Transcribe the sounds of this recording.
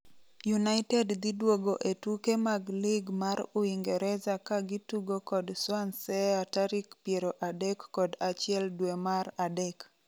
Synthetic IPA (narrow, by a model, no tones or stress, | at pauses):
junaɪtɛdd̪idwoɡoʔetukemaɡlɪɡmaɾʊiŋɡɛɾɛzakaɡituɡokɔdswansɛataɾikpjeɾoʔadɛkːɔdat͡ʃɪɛldwemaradɛk